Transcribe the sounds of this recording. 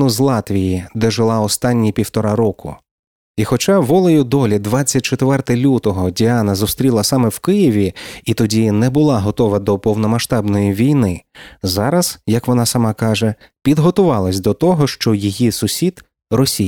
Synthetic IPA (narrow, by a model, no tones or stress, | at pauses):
nʊzlˠɑt̪ʋʲijid̪ɛʒɪlˠɑɔst̪ɑnʲːipʲiwt̪ɔɾɑɾɔkʰʊ̰ | ixɔt͡ʃɑʋɔlˠɔjʊd̪ɔlʲid̪ʋɑt͡sʲːɐt̚ʲt͡ʃet̪ʋɛrt̪ɛlʲut̪ɔɦɔdʲiɑnɐzʊst̪ɾʲilˠɐsɑmɛwkɪjiʋʲiit̪ɔdʲinɛbʊlˠɑɦɔt̪ɔʋɐd̪ɔpɔwnɔmɐʃt̪ɑbnɔjiʋʲijnɪzɑɾɐz̥jɐkʋɔnɑsɐmɑkɑʒɛ | pʲid̪ɦɔt̪ʊʋɑlˠɐsʲd̪ɔt̪ɔɦɔʃt͡ʃɔjijisʊsʲid̪ | rɔsʲij